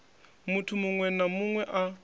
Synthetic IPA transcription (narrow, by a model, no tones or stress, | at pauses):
mutʰumuŋwɛnamuŋwɛʔa